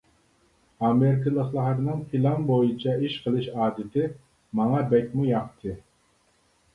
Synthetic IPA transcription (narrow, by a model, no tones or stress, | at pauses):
ɑmeɾɪkʰəlˠəχlˠɑɦɾnɨŋpʰilˠɑnbojut͡ʃʰɑiʃqʰəlˠɨʃɑːd̪ɪt̪ʰɪ | mɑŋɑbɛk̚ʲmujɑqt̪ʰɨ